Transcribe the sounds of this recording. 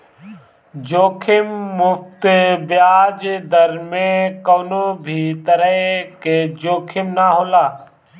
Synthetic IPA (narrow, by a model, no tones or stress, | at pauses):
d͡ʒoːkʰɪmːʊft̪bɪjaːd͡ʒd̪əɾmẽkoːnoːbʱiːt̪əɾəeked͡ʒoːkʰɪmnaːɦoːlaː